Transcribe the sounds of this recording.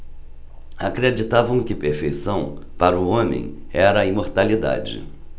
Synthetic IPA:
akɾed͡ʒit̪avɐ̃w̃kɪpeɾfejsɐ̃w̃paɾɐʊõmḛ̃j̃ | ɛɾɐimoɾt̪alid̪a̰d͡ʒɪ̰

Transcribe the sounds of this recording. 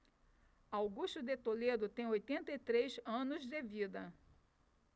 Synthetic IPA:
awɡuʃt̪ʊd̪et̪oled̪ʊt̪ẽj̃ojt̪ẽnt̪ɐit̪ɾezɐ̃nʊzd̪ɪvid̪ɐ

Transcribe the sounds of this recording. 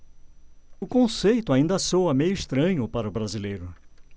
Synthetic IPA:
ʊkõsejt̪ʊaĩnd̪ɐsowɐmejʊiʃt̪ɾɐ̃ɲʊpaɾɐʊbɾazilejɾʊ

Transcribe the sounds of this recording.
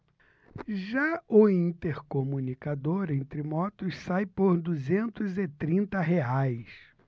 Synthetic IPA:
ʒaʊĩnt̪eɾkomũnikad̪oɾẽnt̪ɾɪmɔt̪ʊssajpoɾd̪uzẽnt̪ʊzɪt̪ɾĩnt̪ɐɦeajs

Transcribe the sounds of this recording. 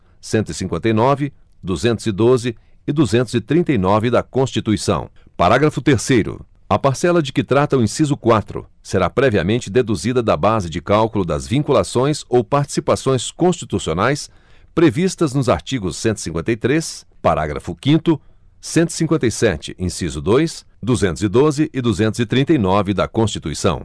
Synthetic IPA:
sẽnt̪ʊisĩŋkwẽnt̪ɐjnɔvɪ | d̪uzẽnt̪ʊzɪd̪ozɪ | ɪd̪uzẽnt̪ʊzɪt̪ɾĩnt̪ɐjnɔvɪd̪ɐkõst͡ʃit̪uisɐ̰̃w̃paɾaɡɾɐfʊt̪eɾsejɾʊ̰ | ɐpaɾsɛlɐd͡ʒɪkɪt̪ɾat̪ɐʊĩsizʊkwat̪ɾʊ̰ | seɾapɾɛviɐ̰mẽnt͡ʃɪd̪ed̪uzid̪ɐd̪ɐbazɪd͡ʒɪkawkʊlʊd̪ɐ̰zvĩŋkulasõj̃sowpaɾt͡ʃi̥sipasõj̃skõst͡ʃit̪usionajs | pɾevist̪ɐznʊza̰ɾt͡ʃiɡʊsːẽnt̪ʊ̥isĩŋkwẽt̪ɐjt̪ɾespaɾa̰ɡɾɐ̰fʊkĩnt̪ʊ | sẽnt̪ʊi̥sĩŋkwẽnt̪ɐjsɛt͡ʃɪ̥̰ʔĩsizʊd̪ojs | d̪uzẽnʊzɪd̪ozɪʔɪd̪uzẽnt̪ʊzɪt̪ɾĩnt̪ɐjnɔvɪd̪ɐkõst͡ʃit̪uisɐ̰̃w̃

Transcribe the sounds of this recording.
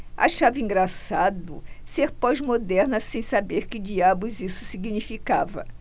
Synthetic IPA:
a̰ʃavɪĩŋɡɾasad̪ʊ̰seɾpɔzmod̪ɛɾnɐsẽj̃sabeɾkɪd͡ʒiabʊzisʊ̥siɡinifikavɐ̰

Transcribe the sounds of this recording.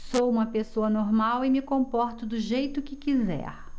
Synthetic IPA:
sowũmɐpesoɐnoɾmawɪmɪkõpɔɾt̪ʊd̪ʊʒejt̪ʊkɪkizɛ̰ɾ

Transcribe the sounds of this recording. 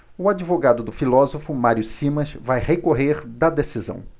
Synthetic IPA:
ʊad͡ʒivoɡad̪ʊd̪ʊfilɔzofʊmaɾiʊsĩmɐ̃svajhekoɦeɾd̪ɐd̪esizɐ̰̃w̃

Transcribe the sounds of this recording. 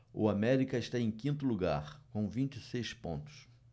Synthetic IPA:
ʊ̰amɛɾikɐɪʃt̪aẽj̃kĩnt̪ʊluɡa̰ɾkõw̃vĩnt͡ʃɪsejspõ̰nt̪ʊ̥s

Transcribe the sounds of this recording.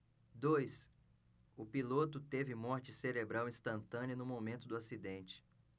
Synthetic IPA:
d̪ojs | ʊpilot̪ʊt̪evɪmɔɾt͡ʃɪseɾebɾawĩst̪ɐ̃nt̪ɐ̃niɐnʊmomẽnt̪ʊd̪ʊasid̪ẽnt͡ʃɪ̥

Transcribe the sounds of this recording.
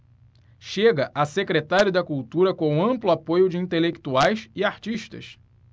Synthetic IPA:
ʃeɡɐʔɐsekɾet̪aɾjʊd̪ɐkult̪uɾɐkõɐ̃mplʊapojʊd͡ʒɪĩnt̪elekt̪uajsɪaɾt͡ʃiʃt̪ɐ̰s

